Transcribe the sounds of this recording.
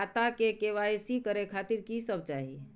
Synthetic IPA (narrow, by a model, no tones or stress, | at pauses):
t̪akekeʋaesikəɾekʰat̪iɾkisəbt͡ʃaɦi